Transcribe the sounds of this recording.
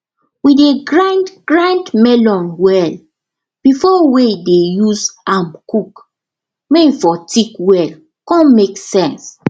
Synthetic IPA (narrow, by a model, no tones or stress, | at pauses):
wideɡɹãndɡɹãndmɛlɔ̃nwɛl | b̥ifɔwedejuzãmkuk | meifɔtʰikwɛl | kɔ̃nmeksɛ̃ns